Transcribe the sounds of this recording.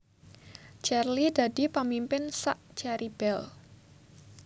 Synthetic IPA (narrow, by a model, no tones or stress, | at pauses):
t͡ʃɛrlid̥a̤d̥i̤pamimpɪnsaʔt͡ʃɛɾib̥ɛl